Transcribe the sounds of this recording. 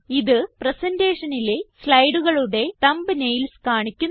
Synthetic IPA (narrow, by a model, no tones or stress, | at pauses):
iðɨprɐsɐnde̞ːʂɐnileslɐjɽuɣɐɭuɽe̞t̪ɐmbɨnejlskaːɳikʲːun